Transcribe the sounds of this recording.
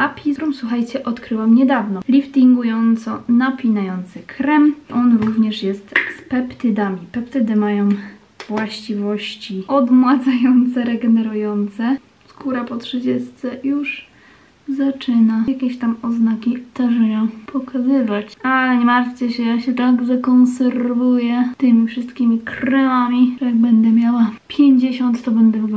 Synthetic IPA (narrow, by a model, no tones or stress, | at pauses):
ʔapʲit̪ɾumswuxajt͡ɕɛʔɔt̪kɾɘwamɲɛd̪avnɔlʲift̪ʲiŋɡujɔnt̪sɔnapʲinajɔnt̪sɘkɾɛmʔɔnɾuvɲɛʂjɛst̪spɛpt̪ɘd̪amʲipɛpt̪ɘd̪ɘmajɔ̃w̃ | vwaɕt͡ɕivɔɕt͡ɕiʔɔd̪mwad̪zajɔnt̪sɛɾɛɡɛnɛɾujɔnt̪sɛ | skuɾapɔtʂɘd͡ʑɛst̪sɛjuʐ | zat͡ʂɘnajakʲeɕt̪amɔznakʲit̪aʐɛjɛpʰɔkʰazɘvat͡ɕalɲɛmaɾt͡ɕɛɕɛjaɕɛt̪aɡʐɛkɔ̃ñsɛɾvujɛt̪ɘmʲifʂɨst̪kʲimʲikɾɛwamʲiʐɛjaɡ̚bɛnd̪ɛmʲjawapʲjeɲd͡ʑeɕɔnt̪ːɔbɛnd̪ɛv